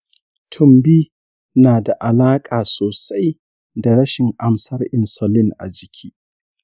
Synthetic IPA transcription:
tʰʊ˦mbiː˦ | naː˨da˨ʔa˨laː˦kʼaː˨soː˨sa˦j | da˨ɽɐ˦ʃɪ˨ŋʔa˨msɐ˦rʔɪ˨nsɔ˨lɪ˦ŋʔa̰˨d͡ʒɪ˨kʲʰiː˦

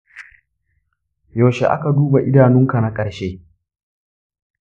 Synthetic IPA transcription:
joː˨ʃḛ˨ʔa̰˦ka˨duː˦ba˨ʔɪ˦daː˨nʊ˦ŋka˨na˦kʼɐ˨ɾʃeː˦

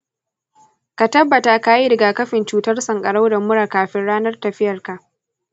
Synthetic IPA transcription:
ka˨tɐ˦bːɐ˨ta˨ka˨ji˦ɾɪ˨ɡaː˨kɐ˦ɸɪ˨nt͡ʃuː˦tɐ˦rsɐ˨ŋkʼɐ˨ɽa˦wdɐ˨mːʊ˦ɽaː˨kaː˨ɸɪ˦nɽaː˦nɐ˦rtɐ˨ɸɪ˦jɐ˨rka˨ʔ

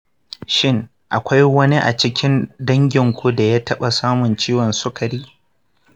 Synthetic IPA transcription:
ʃɪ˦ŋ | ʔa˨kʷa˦jwɐ˦ni˦ʔa̰˨t͡ʃɪ˦kʲʰɪ˦ndɐ˦ŋɡʲɪ˨ŋkʷu˦da˨jaː˦tɐ˦ɓa˨saː˦mʊ˨nt͡ʃiː˦wɔ˨nsʊ˦kɐ˨ɽiː˦

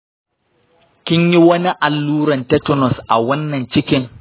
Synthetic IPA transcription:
kʲɪ˦ɲji˦wɐ˦ni˦ʔa˨lːuː˦ɾɐ˨ntɐ˦tʊ˦nɔ˨sʔa̰˨wɐ˦nːɐ˨nt͡ʃɪ˦kʲɪ˦ŋ

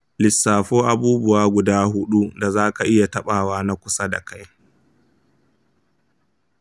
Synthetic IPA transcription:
lɪ˨sːaː˨ɸoː˦ʔa˨buː˦bʊ˦waː˦ɡʷʊ˨daː˦hʊ˦ɗu˦da˨zaː˦ka˨ʔɪ˦ja˨tɐ˦ɓaː˨waː˦na˦kʷʊ˨sa˦da̰˨ka˦j

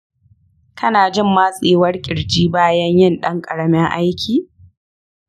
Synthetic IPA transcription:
tʰɐ˦naː˨d͡ʒɪ˦˨mːaː˦sʼeː˨wɐ˦rkʲʼɪ˨ɽd͡ʒiː˦baː˦jɐ˦ɲjɪ˦nɗɐ˦ŋkʼɐ˨ɽɐ˦mɪ˦ŋʔa̰˦jkʲʰiː˨

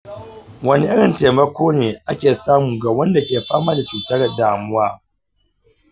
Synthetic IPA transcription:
wɐ˦ni˦ʔɪ˦ɽɪ˨nteː˨mɐ˦kʷʰoː˦neː˨ʔa˦kʲeː˨saː˦mu˨ɡaː˨wɐ˦nda˨kʲeː˨ɸaː˦maː˦da˨t͡ʃuː˨tɐ˦ɾdaː˨mʊ˦waː˦

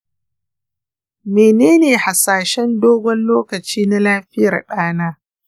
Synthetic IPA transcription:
meː˨neː˦neː˨ha˨saː˨ʃɛ˦ndoː˦ɡʷɔ˦nloː˦kɐ˨t͡ʃiː˦na˦laː˦ɸɪ˦jɐ˨rɗaː˦naː˦

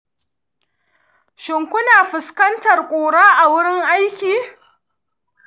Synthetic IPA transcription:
ʃɪ˨ŋkʷʊ˦naː˨ɸɪ˨skɐ˦ntɐ˨rkʷʼoː˨ɽaː˦ʔa˨wʊ˦ɽɪ˦ŋʔa˦jkʲiː˨

